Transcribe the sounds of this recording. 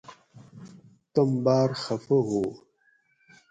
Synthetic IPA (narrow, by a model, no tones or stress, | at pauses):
tombaɾxəfəɦo